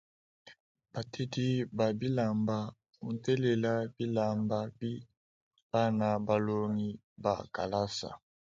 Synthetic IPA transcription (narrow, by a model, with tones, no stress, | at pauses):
b̥a˨tʰe˦di˦ba˨bi˦la˨mba˨ | u˨n˨tɛ˦le˨la˦bi˦la˨mba˨bi˦ | b̥a˦na˨ba˨lo˦ŋi˦ | ba̰˨ka̰˨la˦sa̰˨